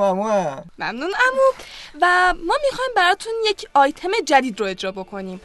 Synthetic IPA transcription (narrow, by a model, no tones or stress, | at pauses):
amuamæ̰mnunæmuvæmɒːmixɒjmbæɾɒːt̪ʰunje̞cʰɒːjt̪ʰe̞me̞d͡ʒæd̪iːd̪ɾoe̞d͡ʒɾɒːbo̞kʰo̞niːm